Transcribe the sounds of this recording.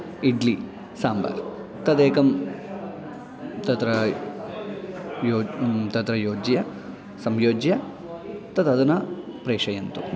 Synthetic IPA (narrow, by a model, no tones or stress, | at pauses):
iɖli | saːmba̰ːɾ | t̪ɐd̪eːkɐm | t̪ɐt̪ɾɐ | joːt̪ɐt̪ɾɐjoːd͡ʒjɐ | sɐmjoːd͡ʒjɐ | t̪ɐd̪ɐd̪ɐnɐpɾeːʂɐjɐnt̪u